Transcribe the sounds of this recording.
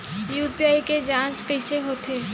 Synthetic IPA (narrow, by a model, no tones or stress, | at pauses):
juːɾpijaːiked͡ʒãːt͡ʃkɐɪseɦoːt̪ʰeː